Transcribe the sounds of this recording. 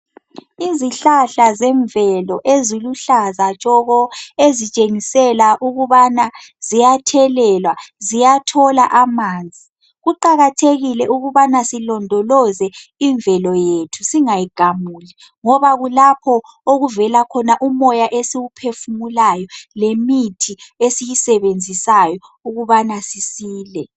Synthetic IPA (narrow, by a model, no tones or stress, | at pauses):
iziɬaɬazɛɱvɛlɔʔeziluɬazat͡ʃʼɔɣɔezit͡ʃʼeŋisɛlaʔuɣuβanazijatʰɛlɛlwazijatʰɔla̰ʔamaːnd͡zʱi | ɣuǃaɣatʰeɣilɛʔuɣuβanasilɔndʱɔlɔzɛiɱvɛlɔjetʰusiŋajiɡ̥ʱamuːli | ŋɔβaɣulapʰɔ | oɣuvɛlakʰɔnaʔumɔjaʔesiwupʰefumulajɔlemitʰiesijisɛβend͡zʱisajɔ | uɣuβanasisiːlɛ